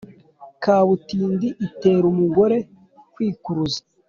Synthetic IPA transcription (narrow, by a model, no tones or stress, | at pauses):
kaːβutiːndiʔite̞ːɾumuɡo̞ɾe̞ | kwiːkuɾuzḁ